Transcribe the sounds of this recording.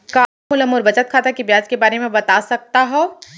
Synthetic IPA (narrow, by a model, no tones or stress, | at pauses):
kaːɦʊləmoːɾbɐt͡ʃət̪̚kʰaːt̪akibjaːd͡ʒkebaːɾemẽbɐt̪asɐk̚t̪aɦɛː